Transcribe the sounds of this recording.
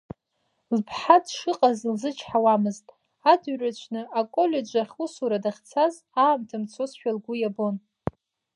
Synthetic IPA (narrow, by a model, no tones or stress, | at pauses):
lpʰħadʰʂɨqʼazlzɨt͡ʃʰħawamɨztʼ | adɥrat͡ʃʷʰnɨakʼo̞lʲe̞d͡ʒʷaχʲusuɾadaχʲt͡sʰaz | aːmtʰamt͡sʰosʃᶣalɡʷujabo̞n